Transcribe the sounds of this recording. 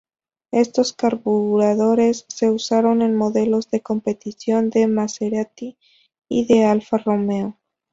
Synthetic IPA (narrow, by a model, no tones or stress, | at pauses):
e̞st̪o̞skaɾβuɾaðo̞ɾe̞sːe̞usaɾo̞ne̞nmo̞ðe̞lo̞zðe̞ko̞mpe̞t̪isjo̞nd̪e̞maseɾat̪i | ḭðe̞alfaro̞meo